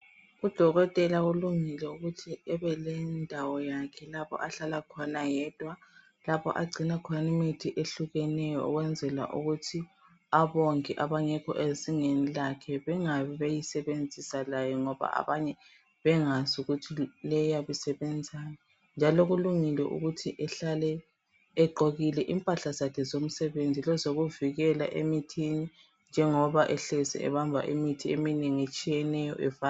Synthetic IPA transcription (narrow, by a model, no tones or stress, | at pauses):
ud̥ʱɔɣɔtʼɛlaɣuluŋilɛuɣutʰiɛβɛlɛndʱawɔjakʰɛlapʰɔ̰ʔaɬalakʰɔnajɛd̥ʱwa | lapʰɔ̰ʔaɡ͡ǀʱinakʰnimitʰiʔeɬuɣɛnɛjɔ̰ɔɣwɛnd͡zʱɛla̰ʔṵɣutʰi | aβoŋkɛʔaβaɲɛkʰɔ̰ʔeziŋenilakʰɛβɛŋaβɛβejisɛβend͡zʱisalajɔŋɔβa̰a̰βaɲɛ | βɛŋazuɣutʰilɛjaβisɛβɛnd͡zʱaja | nd͡ʒʱaloɣuluŋilɛ̰ʔṵɣutʰiʔɛɬalɛː | ɡ͡ǃʱoɣilɛʔimpʼaɬazakʰɛzom̩sɛβend͡zʱilɔzoɣuviɣɛla̰ʔemitʰini | nd͡ʒʱɛŋɔβaʔɛɬesḭɛ̰βambʱa̰ʔimitʰiemineŋiet͡ʃʼijɛnɛjɔ̰ʔɛva